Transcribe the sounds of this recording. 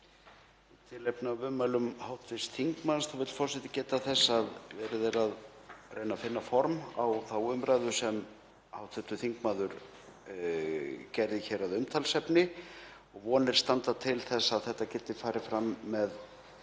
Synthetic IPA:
t̪ʰɪlɛpnavʏmːalʏmhawt̪vɪst̪θiŋkmanst̪θawvɪt̪fɔrsɛt̪ɪ̥cɛːt̪aθɛsːaðvɛɾɪðeɾaðrejnafɪnːafɔɾmawθawʏmɾaːjðʏsɛm | hawt̪fɛt̪ʏθiŋkmaːðʏɾ | cɛɾðɪçɛɾaðʏmt̪ʰalsɛpnɪ | ɔɣvɔːnɪɾ̥st̪ant̪at̪ʰɪlθɛsːaðθɛht̪ːacɛt̪ːɪfaːɾɪfɾamːɛð

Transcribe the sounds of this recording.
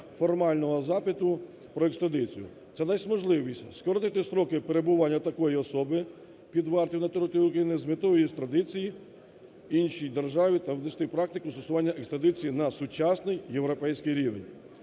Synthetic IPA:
fɔrmɑlʲnɔɦɔzɑpɪt̪ʊ | pɾɔekst̪ɾɐd̪ɪt͡sʲijʊ̰ | t̪sɛd̪ɛsʲmɔʒlˠɪʋʲisʲtʲskɔɾɔnɪt̪ɪsɾɔkɪpeɾe̞bʊʋanʲːɐt̪ɐkɔjiɔsɔbɪ | pʲid̪ʋɑrt̪ʲiwnɐt̪ɔɾɔt̪uɾʊkɾɐjinɪzmɪt̪ɔɔjist̪ɾɐd̪ɪt͡sʲiji | inʃijd̪erʒɑʋʲit̪ɐwd̪ɛsʲt̪ɪjpɾɑk̚t̪ɪkʊst̪ɔsʊʋɑnʲːɐʔekst̪ɾɐd̪ɪt͡sʲijinɐsʊt͡ʃɑsnɪjjewɾɔpɛjsʲkɪjɾʲiʋḛnʲ

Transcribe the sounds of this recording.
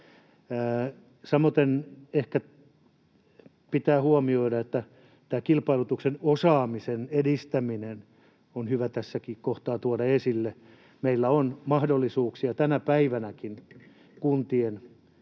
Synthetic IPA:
sɑmːot̪enehkæ | pit̪æːhuɑmioidɑet̪ːæ | t̪æːkilpɑilut̪uksenosɑːmisenedist̪æminen | onhyʋæt̪æsːækikoht̪ɑːt̪uɑdɑesilːe | meilːæonmɑhdolːisuːksiɑt̪ænæpæiʋænækin | kunt̪ien

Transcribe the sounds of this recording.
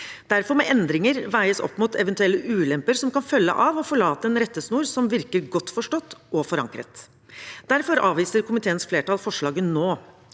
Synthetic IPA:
d̪̥æɾfɔɾmɛʔɛnd̪ɾɪŋəɾʋæɪəsɔ̰pːmut̪ʰɛʋɛnt̪ʉɛlːəʔʉːlɛmpəɾsɔmkɑnfœlːə̰ʔɑʋɔfɔɭɑːt̪əɛnɾɛt̪ːəsnuːɾsɔmʋɪɾkəɾɡɔt̪ːfɔʂʈɔt̪ːɔfɔɾɑ̰ŋkɾə̰t̪ | d̪̥æɾfɔɾɑːʋiːsəɾkʰʊmɪt̪ʰeːənsfleːʈɑːlfɔʂɭɑːɡənoː

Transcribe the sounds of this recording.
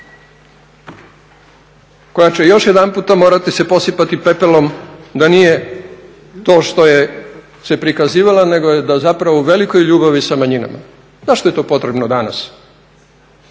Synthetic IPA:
ko̞jat͡ɕe̞jo̞ʃjed̪anpuːt̪amo̞ːɾat̪ise̞po̞sipat̪ipe̞pelo̞md̪anije̞ | t̪o̞ːʃt̪o̞je̞ | se̞pɾikaziːʋalane̞ɡojed̪azapɾaʋouʋe̞liko̞jʎuːbaʋisamaɲina̰ma̰ | zaʃt̪oet̪o̞ːpo̞t̪ɾebnod̪ana̰s

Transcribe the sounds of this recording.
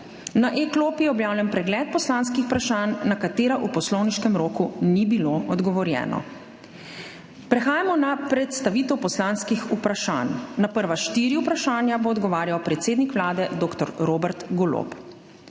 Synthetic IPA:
naʔekloːpijɛɔbjaːwlampɾɛɡlɛt̪̚pɔslanskixu̥pɾaʃaːnːakat̪eːɾaʔupɔslɔwniʃkɛmɾoːkunibiloɔd̪ɡɔʋɔɾjɛ̰ːnɔ̰ | pɾɛxaːjamɔnapɾɛt̪st̪aʋiːt̪ɛwpɔslaːnskixupɾaʃa̰ːnːapəɾʋaʃt̪iːɾiupɾaʃaːnjaboːd̪ɡɔʋaːɾjawpɾɛt̪seːd̪nikʋlaːd̪ɛd̪oːkt̪ɔɾɾoːbɛɾt̪ɡolo̰p

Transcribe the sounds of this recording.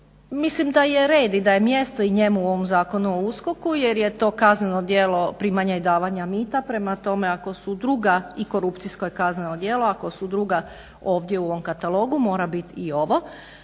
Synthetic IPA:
mislimd̪aje̞ɾe̞ːd̪id̪aje̞mje̞st̪o̞iɲe̞muuo̞ʋo̞mzaːko̞nuousko̞kuje̞ɾjet̪o̞ːkaznenod̪jelo̞pɾiːmaɲajd̪aːʋaɲamiːt̪apɾe̞mat̪o̞me̞ako̞sud̪ɾuɡaiko̞ɾupt̪siskojekazne̞nod̪je̞ːloako̞sud̪ɾuɡa | o̞ːʋd̪je̞uo̞ʋo̞mkat̪alˠo̞ːɡumo̞ːɾabit̪io̞ʋo̞

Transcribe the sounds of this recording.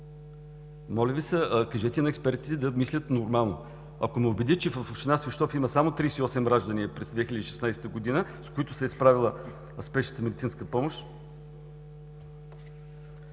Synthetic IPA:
mɔlʲəvisəkɐʒɛt̪ɛnɐɛkspɛɾt̪i̥t̪ɛd̪ɐmislʲət̪noɾmalˠno̰ | ɐ̰komɛʊbɛd̪it͡ʃɛvəfoʃt̪inasvɛʃt̪ɔfiməsamot̪ɾijsiɔsɛmɾaʒd̪əniəpɾɛzd̪vɛxʲilʲəd̪iːʃɛ̥snajst̪əɡod̪inəskoit̪ʊsɛspɾavilˠə | spɛʃnə̥t̪əmeɛd̪it̪sinskəpɔmoʃt̪

